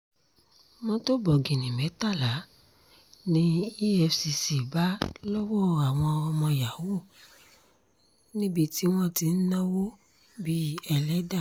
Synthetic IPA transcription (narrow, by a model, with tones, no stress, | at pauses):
mɔ̃˦to˦bɔ˨ɡĩ˨nĩ˨mɛ̃˨˦ta˦˨la˨˦ | nĩ˦i˦ɛ˧fsi˧si˨ba˨˦lɔ˦wɔ˦a˨w̃ɔ̃˧ɔ˧mɔ̃˧ja˨˦wo˦˨ | nĩ˦bi˦ti˦w̃ɔ̃˦˨ti˧˦n̩˦nã˦wo˦ | bi˦ɛ˧lɛ˦da˦˨